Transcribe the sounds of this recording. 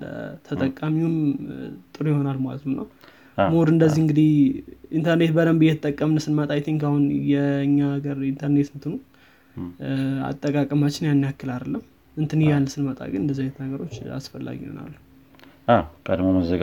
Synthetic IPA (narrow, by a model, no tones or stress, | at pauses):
lə̰t̪ʰət̪ʼəkʼːamiumt̪ʼɨɾujɪho̞nalmalə̰t̪ʰɨmnə̰w | moɾɨnd̪əzːihɨŋɡɨd̪ihint̪ʰəɾne̞t̪̚bəd̪əmbɨjɛt̪ʰət̪ʼːəkʼːəmnsɨnmət̪ʼajt̪ʰiŋkahunjɛɨɲːaɡəɾint̪ʰəɾne̞t̪ɨnt̪ʰɨnu | a̰t̪ʼːəkʼakʼəmat͡ʃːɪnjanːijakːɨlad̪əlːəm | ɨnt̪ʰɨnhjalːsɨnmət̪ʼa̰ɡɨnɨnd̪əzːajet̪ʰnaɡəɾo̞t͡ʃːa̰sfəlːa̰ɡiho̰na̰lːu | ʔakəd̪moməzəɡ